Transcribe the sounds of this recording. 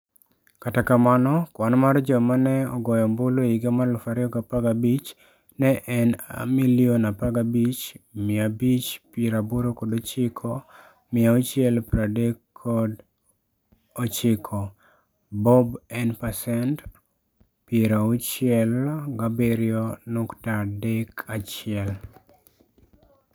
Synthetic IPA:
katakamanɔkwanmard͡ʒɔmanɛɔ̰ɡɔjɔmboloiɡamalʊfaɾɪɔɡapaɡabit͡ʃ | nɛʔɛna̰miljonapaɡabit͡ʃmɪabit͡ʃpeɾaboɾokɔdot͡ʃɪkʰɔ | mɪaut͡ʃɪɛlpɾadɛkʰːɔd | ot͡ʃɪkʰɔ | bɔbɛnpasɛnt | pieɾaut͡ʃɪɛlɡabeɾjonuktadɛkʰat͡ʃɪɛl

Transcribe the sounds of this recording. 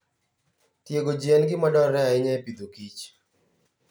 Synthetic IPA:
tjeɡod͡ʒiɛnɡɪmadɔɾɛaɪɲɛpid̪okit͡ʃ

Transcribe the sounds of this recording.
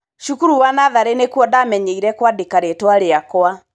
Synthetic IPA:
ʃukuɾuwanaðaɾenekwɔdamɛɲeiɾɛkwadekaɾetwaɾeakoa

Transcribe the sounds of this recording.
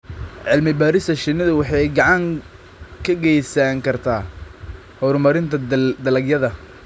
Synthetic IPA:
ʕɪlmɪbaːɾɪst̪ɐʃɪnɐðʊwɑħɑjɡɑʕɑŋ | kʰɐɡɛjsaŋkʰɐrt̪ʰaː | hɔɾmɐɾɪnt̪ʰɐd̪ɐlɐɡjɐðɐ

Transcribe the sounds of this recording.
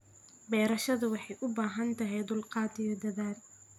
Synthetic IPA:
bɛːɾɐʃɐðʊwɑħɑjʔʊbaːɦɐnt̪ʰɐɦɛjd̪ʊlqɑːd̪ʰɪjɐd̪ɐðaːl

